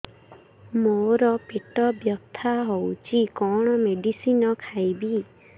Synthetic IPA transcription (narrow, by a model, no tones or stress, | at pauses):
moɾɔpeʈɔbjɔkt̪ʰaɦowt͡ʃʰikɔɽ̃ɔmeɖisinɔkʰajbi